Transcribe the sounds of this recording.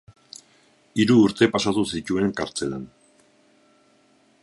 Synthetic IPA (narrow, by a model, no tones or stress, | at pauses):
iɾuːɾt̪e̞pasat̪usic̪ue̞ŋkaɾt͡se̞la̰n